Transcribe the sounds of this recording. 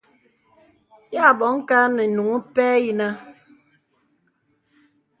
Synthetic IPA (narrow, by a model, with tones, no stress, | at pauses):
ja˦˨bɔ˨˦ŋ̩˦ka˦nɛ˨nu˨ŋu˦pɛː˦ji˦na˦